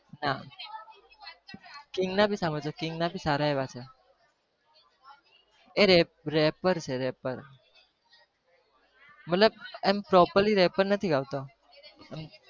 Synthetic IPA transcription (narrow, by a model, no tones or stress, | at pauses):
na | kɪŋɡnabʱisãməɭt͡ʃʰokɪ̃ŋɡnabʱisaɾaeʋat͡ʃʰe | eɾɛ | ɾɛpəɾt͡ʃʰeɾɛpəɾ | mət̪ləb̚ɛmpɾɔpəɾliɾɛpəɾnət̪ʰiɡaʋt̪o | ɛm